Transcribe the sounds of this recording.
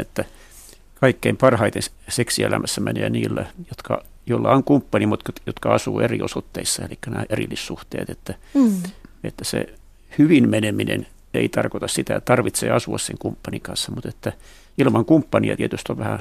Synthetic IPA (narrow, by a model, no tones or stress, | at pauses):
et̪ːæ | kɑikːeimpɑrhɑit̪ens | seksielæmæsːæmæneːniːlːæjot̪kɑ | joilːɑoŋkumpːɑnimut̪kɑtjot̪kɑɑsuːeriosot̪ːeisːɑelikːænæːʔerḭlːissuht̪ḛːt̪et̪ːæ | ḛt̪ːæsḛ | hyʋinmeneminḛn | eit̪ɑrkot̪ɑssit̪æett̪ɑrʋit̪sḛːɑsuɑsseŋkumpːɑniŋkɑnsːɑmut̪et̪ːæ | ilmɑŋkumpːɑniɑt̪iet̪yst̪oʋʋæhæ